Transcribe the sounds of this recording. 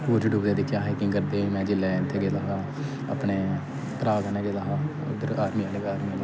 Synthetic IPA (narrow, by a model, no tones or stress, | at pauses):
oːd͡ʒɖuɡãːd̪iːkjãːɦɛːkĩːkəɾd̪eːiːmɛ̃ːd͡ʒɪlːɛːɪnt̪ʰːeːɡeːlaːɦaː | a̰pneː | pɾaːɡənẽːɡelaːɦaː | d̪əɾaːɾmiːãːleɡaːɾmiːãl